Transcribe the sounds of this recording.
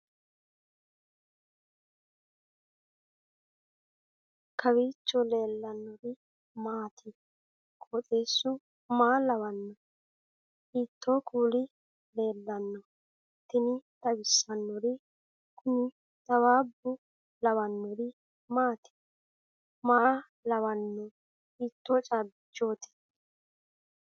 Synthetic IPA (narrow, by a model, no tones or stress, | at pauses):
kʰɐwiːt͡ʃːɔle̞ːlːɐnːɔɾɪ | maːt̪ʰɪ | kʰʼot̪ʼeːsːʊ | maːlɐβɐnːɔ | iːt̪ːoːkʰuːlɪ | le̞ːlːɐnːɔ | t̪ːɪnɪt̪ɐwɪsːɐnːɔɾɪ | kʊnɪ | t̪ɐwaːbːʊ | lɐwɐnːɔɾɪ | maːt̪ɪ̥ | maː | lɐwɐnːɔ | iːt̪ːoːt͡ʃʼab | d͡ʒoːt̪ɛ̥t̪ː